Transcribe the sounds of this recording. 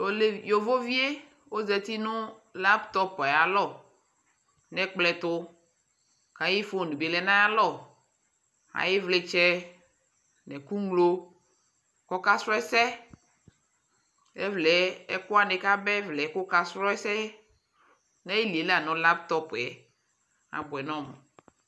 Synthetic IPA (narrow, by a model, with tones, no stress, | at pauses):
jo˨vo˦vi˦e˦ | wo˦zɛ˦t̪i˦nʊ̃˦la˦pt̪ɔ˦pe˨ja˨lɔ˦ | nɛ̃˦k͡plɛ˨t̪ʊ˦ | kã˨ji˦fo˦˨nũ˨be˨lɛ˨nã˦ja˦lɔ˦˨ | a̰˨je˦vle˦t͡ʃɛ˦ | nɛ̃˨ku˦ŋlo˦ | kɔ˦ka˦sɾɔ˦ɛ˦sɛ˦ | ɛ˦vlɛ˨˦ɛ˦kʊ˦a˨ne˨ka˦bɛ˦vlɛ˨˦kʊ˦ka˦sɾɔ˦ɛ˦sɛ˦ | nɛ̃˦i˦li˨e˨la˨nʊ̃˦la˦p̚t̪ɔ˦pɛ˨ | a̰˨bɛ˨nɔ̃˦m˨